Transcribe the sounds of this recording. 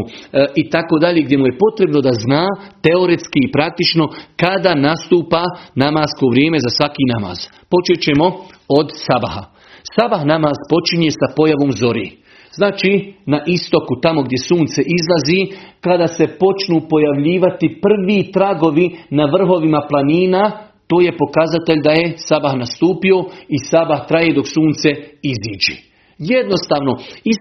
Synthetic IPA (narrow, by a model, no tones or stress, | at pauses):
it̪ako̞ːd̪aʎeɡd̪ʲje̞muje̞po̞t̪ɾe̞bno̞d̪aznaːt̪eo̞ɾe̞t̪skiːpɾak̚t̪it͡ʃno̞kad̪anast̪uːpanamaːsko̞ʋɾʲjeːme̞zasʋakiːnama̰ːz̥ | po̞t͡ʃet͡ɕe̞mo̞o̞d̪sabaha̰ | sabaxnamaːzpo̞t͡ʃiɲe̞sapo̞jaʋo̞ːmzo̞ɾḭː | znaːt͡ʃiːnaʔist̪o̞kut̪amo̞ɡd̪je̞suːnt̪se̞ʔizlˠazikad̪ase̞po̞t͡ʃnuːpo̞jaʋʎiːʋat̪ipr̩ʋit̪ɾaɡo̞ʋinaʋr̩ɦo̞ʋimaplˠaniːna | t̪oːje̞po̞kazat̪e̞ʎd̪aje̞sabaxnast̪uːpio̞isabaxt̪ɾajed̪o̞ksuːnt̪se̞iziːd͡ʒḭ | jed̪no̞st̪aːʋno̞i